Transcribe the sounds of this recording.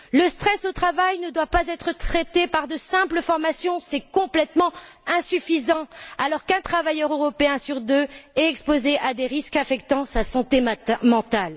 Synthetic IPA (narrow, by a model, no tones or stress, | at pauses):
ləst̪χɛsot̪χavajnəd̪wapazɛt̪χət̪χɛt̪epaʁd̪əsɛ̃pləfɔʁmasjɔ̃sɛkɔ̃plɛt̪mɑ̃ɛ̃syfizɑ̃alɔʁkɛ̃t̪χavajœʁøʁɔpeɛ̃syʁd̪øɛt̪ɛkspozeʔad̪eʁiskafɛkt̪ɑ̃sasɑ̃t̪emɑ̃t̪al